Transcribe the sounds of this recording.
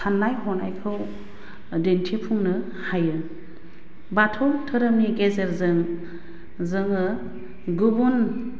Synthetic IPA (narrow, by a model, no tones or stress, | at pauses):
sanːajhɔnajkʰɯw | dentʰepʰuŋnɯ | hajɯ | batʰɔtʰɯɾɯmniɡezeɾzɯŋ | zɯŋɯ | ɡubun